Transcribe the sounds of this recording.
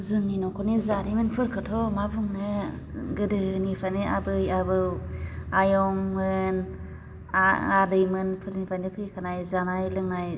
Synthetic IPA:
zɯmninɔkʰɔnizaɾimɯnpʰɯɾkʰɯtʰɔmabuŋnɯ | ɡɯdɯnipʰaneʔabɯjabɯwajɔŋmɯn | aadɯjmɯnpʰɯɾnipʰajndɯpʰɯjkʰanajzanajlɯŋnaj

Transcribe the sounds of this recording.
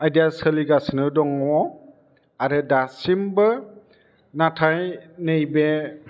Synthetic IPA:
ajdiasəliɡasnɯdɔŋɔ | aɾɯdasimbɯ | natʰajnejbe

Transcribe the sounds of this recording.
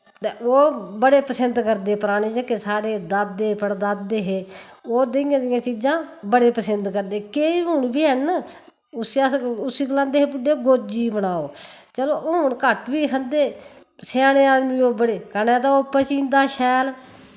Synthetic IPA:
t̪eːoːbəɽeːpəsənd̪kəɾd̪eːpəɾaːɽeːd͡ʒəkesaːɽeːd̪ad̪eːpəɽd̪ad̪eːɦeːoːd̪ɪɪjãːd̪ɪjãːt͡ʃiːd͡ʒãːbəɽeːpəsənd̪kəɾd̪eːkeːiːɦʊɳbiːɦən | ʊsaʊsiːklãːnd̪eːɦeːbʊɖeːɡoːd͡ʒiːbənaːoːt͡ʃəloːɦʊɳkəʈʋiːkʰənd̪eː | saːneːaːd̪miːoːbəɽeːkənɛ̃ːt̪aːopːət͡ʃĩːnd̪aːʃɛːl

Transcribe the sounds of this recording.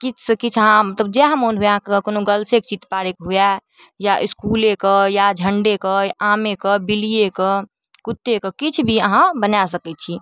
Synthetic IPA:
kit͡ʃʰsəkit͡ʃʰəɦãmət̪ləbd͡ʒeɦəmonɦujɛɦãkkonoɡəlsekt͡ʃit̪paɾekɦuja | jaʔiskulekəjad͡ʒʱəɳɖekəjaʔamekəbilijekə | kut̪ːekəkit͡ʃʰbʱiəɦãbənasəkɛt̪̚t͡ʃʰi

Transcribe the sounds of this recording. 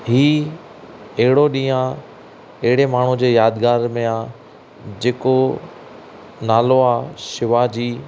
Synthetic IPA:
ɦiː | ɐɦɪɽoɗĩːã | ɐɦɪɽemaːɳ̤ud͡ʑeːjaːd̪ɡaːɾmẽaː | d͡ʑeːko | naːloaːʃɪʋad͡ʑiː

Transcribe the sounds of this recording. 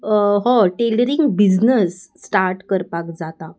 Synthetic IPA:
ɦɔ̃ʈeləɾiŋɡbid͡znəsːʈaɾʈkəɾpakd͡zat̪a

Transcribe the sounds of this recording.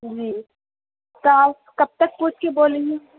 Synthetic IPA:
d͡ʒiː | t̪aːw | kɐb̚t̪ɐk̚puːt͡ʃʰkeboːlẽĩ

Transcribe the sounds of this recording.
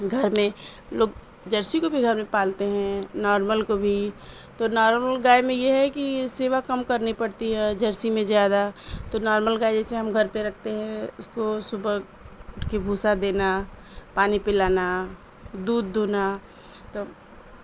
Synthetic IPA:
ɡʱɐɾmẽ | loːɡ | d͡ʒɐɾsikobʱiɡʱɐɾmẽpaːlt̪eɦɛ̃nɔːɾməlkobʱi | t̪onɔːɾməlɡaːjmẽjeɦɛkiseːʋakɐmkɐɾnipɐɽt̪iɦɛd͡ʒɐɾsimẽzjaːd̪at̪onɔːɾməlɡaːjd͡ʒɛseɦɐ̃mɡʱɐɾpeɾɐkʰt̪eɦɛ̃ʊskosʊbə | ʊʈʰkebʱuːsad̪eːna | paːnipɪlaːna | d̪uːd̪̚ːoːna | t̪oː

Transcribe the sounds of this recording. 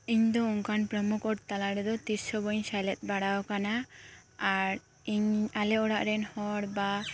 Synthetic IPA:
iɲd̪ɔuŋkanpɾɔmukʰɔɽt̪alaɽɛd̪ɔt̪iɾsɔbɔɲsalɛt̪̚ˀbaɽawɔkanaaɾ | iɲalɛɔɽaʔɾɛnhɔɽba

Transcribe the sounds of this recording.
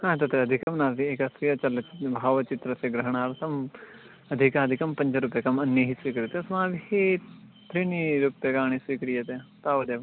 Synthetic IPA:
hãːt̪ɐt̪ɾeɐd̪ʱikɐmnaɾt̪iekɐsɾijɐt͡ʃɐlt͡ʃbʱaːʋɐt͡ʃit̪ɾɐseɡɾɐɦɽ̃aːɾt̪ʰɐm | ɐd̪ʱikaːd̪ʱikɐmpɐ̃ɲd͡ʒɐɾupjɐkɐmɐnjɐɦisʋiːkɾɐt̪esmãːbihet̪ɾiniɾupɐkaːɽ̃isʋiːkɾijɐt̪et̪aːʋɐd̪eːʋ

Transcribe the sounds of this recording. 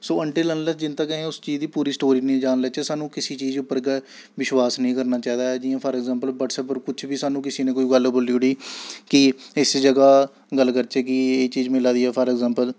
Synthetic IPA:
soːəɳʈeːlənləd͡ʒɪnt̪aːkɛɦẽːʊst͡ʃiːd͡ʒd̪iːpuːɾiːsʈoːɾiːnẽːd͡ʒaːnlɛːt͡ʃeːsaːnũːkɪsiːt͡ʃiːd͡ʒʊpːəɾɡe | ʋɪʃʋaːsnəĩːkəɾnaːt͡ʃaːiːd̪aːɛːd͡ʒɪːjãːpʰəɾɛɡzãːmpəlbəːʈsɛːpoːɾkʊt͡ʃʰbiːsaːnũːkɪsiːnẽːkoːiːɡəlboliːʊɽiːkɪɪsd͡ʒəɡaː | ɡəlkəɾt͡ʃeːkɪeːt͡ʃiːd͡ʒmɪlãːd̪iːɛːpʰəɾɛɡzãːmpəl

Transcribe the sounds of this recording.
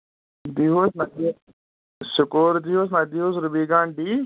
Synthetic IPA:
d̪iɦoːsnai | sʊkoːɾd̪iːɦoːs̬nad̪iːɦoːs̬ɾʊbiːɡãːɳɖiː

